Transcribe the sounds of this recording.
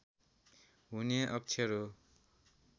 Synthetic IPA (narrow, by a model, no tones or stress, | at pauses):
ɦuneʔʌk̚t͡ʃʰeɾo